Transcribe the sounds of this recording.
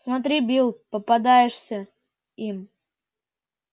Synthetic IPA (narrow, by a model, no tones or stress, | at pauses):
smɐt̪̬ɾʲibʲilˠpəpɐd̪ajɪʂsʲə | im